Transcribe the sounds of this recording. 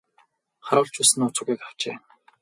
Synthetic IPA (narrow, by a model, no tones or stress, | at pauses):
χaɾʊːɬt͡ɕʰusɘ̆nʊt͡sʊ̆ːɣiːkḁwt͡ɕeː